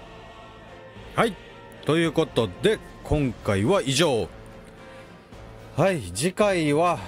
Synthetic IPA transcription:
hai | t̪o̞jɯ̟ːko̞t̪o̞d̪e̞ | kʰõ̞ŋkaiβaiʑo̞ː | haid͡ʑikaiβa

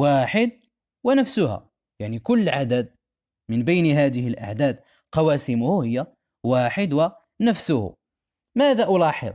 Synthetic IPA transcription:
waħəd̪̚ | wænəfsʊhæ̰ | jaʕnikʊlːʕad̪æd̪̚ | mənbejniɦæd̪əhəlʔa̰ʕd̪æːd̪̚ | qɑwæsɪmʊhʊhəjːa | waħəd̪wæ | næfsʊhʊ̰ | mæd̪aʔʊlɑːħə̰d̪ˤ

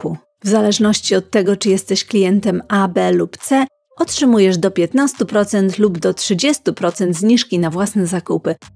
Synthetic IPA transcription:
u | vzalɛʐnɔɕt͡ɕiɔt̪ːɛɡɔt͡ʂɘjɛst̪ɛɕklʲijɛnt̪ɛmabɛlupt̪sɛ | ɔtʂɘmujɛʐd̪ɔpʲjɛt̪nast̪upɾɔt̪sɛnt̪lubd̪ɔtʂɘd͡ʑɛst̪upɾɔt̪sɛnd̪zɲiʂkʲinavwasnɛzakupɘ

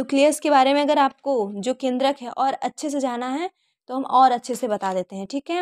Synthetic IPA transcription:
nʊklijəskebaːɾemẽɐɡəɾaːp̚kod͡ʒoːkẽːnd̪ɾəkɦɛʔɔːɾɐtːʃʰes̬ed͡ʒaːnaɦɛ | t̪oɦɐmʔɔːɾɐtːʃʰesebɐt̪ad̪eːt̪eɦɛ̃ʈʰiːkɦɛ

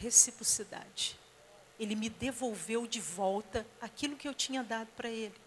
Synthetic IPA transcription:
hesipɾosid̪a̰d͡ʒɪ | elɪmɪd̪evowvewd͡ʒɪvɔwt̪ɐakilʊkɪewt͡ʃĩɲɐd̪ad̪ʊpɾɐelɪ

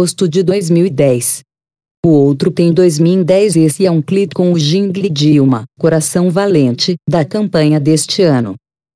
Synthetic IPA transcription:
ost̪ʊd͡ʒɪd̪ojzmiwid̪ɛjs | ʊowt̪ɾʊt̪ẽj̃d̪ojzmiwid̪ɛjzesɪɛũklipkõw̃ʊʒĩŋɡlid͡ʒiwmɐkoɾasɐ̃w̃valẽnt͡ʃɪd̪ɐkɐ̃mpɐ̃ɲɐd̪est͡ʃɪɐ̃nʊ̰

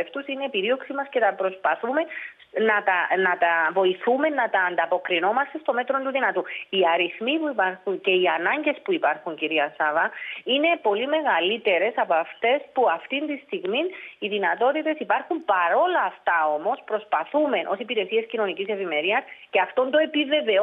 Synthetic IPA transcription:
eft̪usineipiɾio̞ksimɐsce̞t̪ɐpɾo̞spɐθume̞ | nɐt̪ɐnɐt̪ɐvo̞iθume̞nːɐt̪ɐːnd̪ɐpo̞kɾino̞mɐst̪e̞st̪o̞me̞t̪ɾo̞nt̪uðinɐt̪uiɐɾiθmipuipɐɾxunce̞iɐnɐɲɟe̞spuipɐɾxuɲciɾiɐsɐvɐine̞po̞lime̞ɣɐlit̪e̞ɾe̞sɐpɐft̪e̞spuɐft̪int̪ist̪iɣminiðinɐt̪o̞t̪it̪e̞sipɐɾxumpɐɾo̞lɐːft̪ɐo̞mo̞spɾo̞spɐθume̞nʔo̞sipiɾe̞sie̞scino̞nicise̞vime̞ɾiɐsce̞ɐft̪o̞nd̪o̞e̞pive̞ve̞

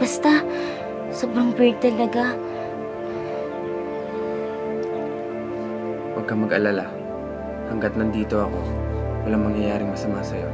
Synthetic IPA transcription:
bɐst̪a | soːbɾɐŋbɛɹɡ̚t̪ɐlɐɡa | wɐɡ̚kɐmɐɡɐlala | hɐŋɡɐt̪̚nɐnd̪iːt̪o̞ɐko̞wɐlaŋmɐŋjɐjaːɾɪŋmɐsɐmasɐjo̞̰

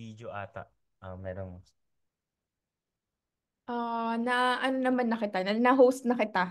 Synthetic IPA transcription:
id͡ʒoʔaːt̪ɐ̰ʔ | ʔamɛːɾonos | ʔanaʔɐnonɐmanːɐkɪt̪anɐnaɦowst̪̚nɐkɪt̪a

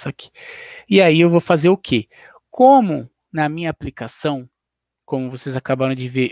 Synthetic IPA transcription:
saki̥iaiewvofazeɾʊkʰe | kʰõmʊ | nɐmĩɲɐːplikasɐ̃w̃ | kõmʊvosejzakabaɾɐ̃w̃d͡ʒɪve

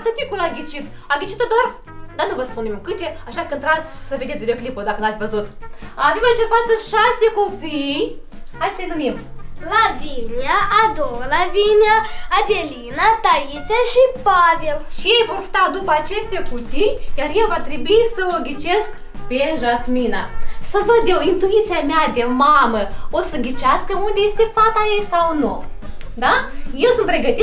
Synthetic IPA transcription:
t̪ɨt̪ekulaɡʲit͡ʃit̪ | aɡʲit͡ʃit̪od̪ar | d̪anuvəspunemkɨt̪eaʃakɨnt̪ɾasʲsəved̪esvʲid̪eoklipod̪akənat̪sʲvəzut̪avemɨnt͡ʃepat̪səʃasekopʲi | asʲlenumimlavʲinʲaʔad̪owlavinʲaad̪ʲelʲinat̪aisʲaʃipavelʃijejvo̞rst̪ad̪upəat͡ʃe̞st̪ʲakut̪ikʲarjavat̪ɾebuisəoɡʲit͡ʃe̞sk | peʒasminasəvəd̪jewint̪uit̪sijamead̪emaməosəɡʲit͡ʃaskəund̪ʲe̞je̞st̪e̞fat̪ajejsawnu | d̪aje̞wsunt̪pɾe̞ɡət̪i

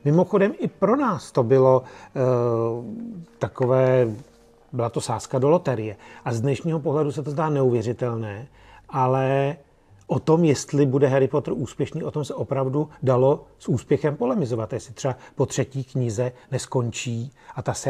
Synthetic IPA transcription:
mɪmo̞xo̞dɛmɪpɾo̞naːst̪o̞bɪlo̞ | t̪ako̞vɛː | bɪlat̪o̞saːskado̞lot̪ɛɾɪjɛʔazdnɛʃɲiːɦo̞po̞ɦlɛdusɛt̪ozdaːnɛuvjɛrɪt̪ɛlnɛː | ʔalɛ | ʔot̪o̞mjɛst̪lɪbudɛɦɛɾɪpo̞t̪r̩uːspjɛʃniːʔo̞t̪o̞msɛʔo̞pɾavdudalo̞sʔuːspjɛxɛmpo̞lɛmɪzo̞vat̪ajɛst̪ɪt̪r̥ɛbapot̪r̝̥ɛciːkɲɪzɛnɛsko̞ɲt͡ʃiːʔat̪asɛ

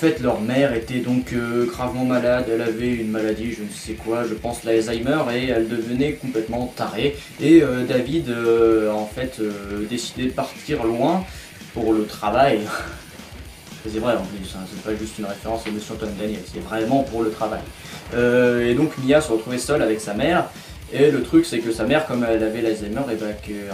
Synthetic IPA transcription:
fɛt̪lœʁmɛʁet̪ɛd̪ɔ̃køɡʁavmɑ̃malad̪ɛlavɛynmalad̪iʒənsɛkwaʒəpɑ̃slaɛzajmœʁeɛld̪əvənɛkɔ̃plɛt̪mɑ̃t̪aʁe | eød̪avid̪øɑ̃fɛt̪ʰød̪esi̥d̪ɛd̪əpaʁt̪ʰiʁlwɛ̃ | puʁlət̪χavaj | sɛvʁɛɑ̃plysɛ̃sɛɛpaʒyst̪ynʁefeʁɑ̃sanəsjɔ̃t̪wand̪anjɛlse̥t̪ɛvʁɛmɑ̃puʁlət̪χava̰j | øed̪ɔ̃kmijasəʁət̪χuvɛsœlavɛksamɛːʁ | elət̪χyksɛkəsamɛʁkɔmɛlavɛlaɛzajmœʁebakə

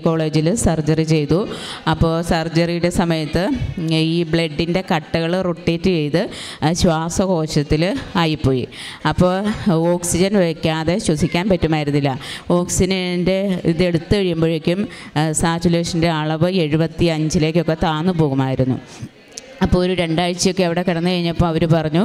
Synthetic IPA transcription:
ko̞ːɭe̞ːd͡ʑilsɐrd͡ʑɐrit͡ɕe̞jt̪uɐpːo̞ːsɐrd͡ʑɐrijuɽe̞sɐmɐjɐt̪ːɨiːbɭe̞ɖːinde̞kɐʈːɐɣɐɭruʈːeːtːɨt͡ɕe̞jt̪ɨɕwaːsɐko̞ːɕɐt̪ːilɐjipːo̞ːjḭɐpːo̞ːo̞ːksid͡ʑɐnʋekʲːaːðe̞ɕwɐsikʲːaːnpɐtːumaːjiɾunːilːɐo̞ːksinɐnde̞iðe̞ɽut̪ːɨkɐɻijumbo̞ːɻekʲːum | saːt͡ɕule̞ːʂɐnde̞aɭɐʋɨe̞ɻubɐt̪ːiɐɲd͡ʑile̞ːk̬ʲːo̞kːe̞t̪aːnupo̞ːɣumaːjiɾunːṵ | ɐpːoːɭoɾuɾe̞ɳɖaːɻt͡ɕːijo̞kːeːʋiɽe̞kɐɽɐnːɨkɐɻiɲːɐpːomɐʋɐɾupɐrɐɲːu

